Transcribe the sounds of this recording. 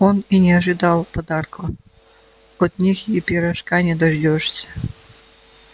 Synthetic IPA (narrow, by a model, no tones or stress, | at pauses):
oninʲeɑʒɨd̪ɑlˠpəd̪ɑrko | ot̪nʲixjepʲiɾaʃkɑnʲed̪oʒd̪ʲoʃsʲ